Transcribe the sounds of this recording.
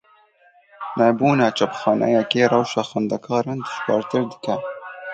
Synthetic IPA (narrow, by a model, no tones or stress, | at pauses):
nɛbuːnɑːt͡ʃapxɑːnʔɛ̰jɛkeːrɑwʃɑːxand̪akʰɑːɾɨnd̪ɨ̥ʃkɑ̰ːɾt̪ɨɾd̪ɨ̥kɛ